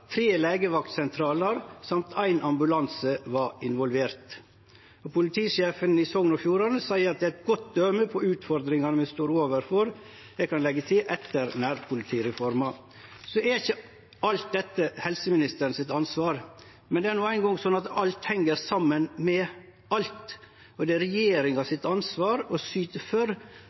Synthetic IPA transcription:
t̪ʰɾeːleːɡəʋɑk̚t̪sɛnt̪ʰɾɑːləɾsɑmt̪ʰæɪnʔɑmbʉlɑnsəʋɑɪnʋɔlʋeːɾt̪ | ɔpʰʊlɪt̪ʰiːʂeːfənɪsɔŋnɔfjuːɾɑnəsæɪəɾɑt̪̚d̪ɛæɛt̪̚ɡɔt̪̚d̪œməpʰɔʉːt̪fɔɾd̪ɾɪŋɑnəmɛst̪oːɾoːʋəɾfɔɾ | j̪ɛkɑnlɛɡːət̪ʰɪlʔɛt̪ːəɾnæːɾpʰʊlɪt̪ʰiːɾɛfɔɾmɑ | sɔæɾɪçə | ɑlt̪̚d̪ɛt̪ːəhɛlsəmɪnɪst̪əɾən̩sɪt̪ɑnsʋɑːɾ | mɛnd̪ɛæɾnuːæɪnɡɔŋsɔnːɑt̪ɑlt̪hɛŋːəɾsɑmːənmɛ | ɑlt̪ | ɔd̪ɛæɾɛjeːɾɪŋɑsɪt̪ɑnsʋɑːɾɔsyːt̪əfœɾ

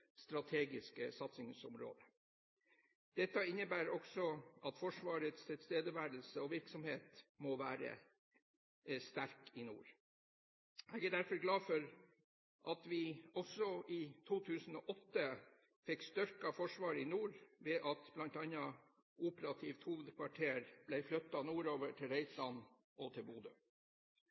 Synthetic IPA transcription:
st̪ɾɑt̪ʰeːɡɪskəsɑt̪sɪŋsʊmɾo̰ːd̪ə | d̪̥ɛt̪ːɑɪnːəbæːɾɔksɔɑt̪fɔʂʋɑːɾət̪st̪ʰɪlst̪eːd̪əʋæːɾl̩səɔʋɪɾksɔmheːt̪mɔʋæːɾə̰ | st̪æɾkɪnṵːɾ | æɡæɖ̪æɾfɔɾɡlɑːfɔɾ | ʔɑt̪ʋɪɔsɔʔit̪ʰuːt̪ʰʉːsn̩ɔːʔɔt̪ːə | fɪkst̪ʏɾkɑfɔʂʋɑːɾɪnuːɾʋɛːʔɑt̪blɑnt̪ɑnɑ | ʔuːpəɾɑt̪ʰift̪huːʋəd̪kʰʋɑʈʰeːɾb̥læɪflœt̪ːɑnuːɾoːʋəʈʰɪlɾeɪt̪lɑn | ʔɔt̪ʰɪlbuːd̪ə

